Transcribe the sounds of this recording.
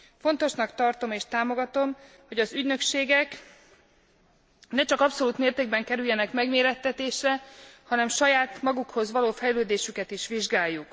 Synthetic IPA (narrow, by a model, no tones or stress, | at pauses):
fo̞n̪t̪o̞ʃnɒkt̪ɒrt̪o̞meːʃt̪aːmo̞ɡɒt̪o̞m | ho̞ɟɒzyɟnøkʃeːɡɛk | nɛt͡ʃɒkɒpso̞luːt̪meːrt̪eːɡ̚bɛŋkɛɾyjːɛnɛkmɛɡmeːɾɛt̪ːɛt̪eːʃrɛhɒnɛmʃɒjaːt̪mɒɡukho̞zʋɒloːfɛjløːd̪eːʃykɛt̪iʃʋiʒɡaːjːuk